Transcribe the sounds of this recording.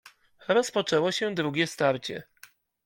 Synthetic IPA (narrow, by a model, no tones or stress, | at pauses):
ɾɔspɔt͡ʂɛwɔɕɛd̪ɾuɡʲjɛst̪aɾt͡ɕɛ̰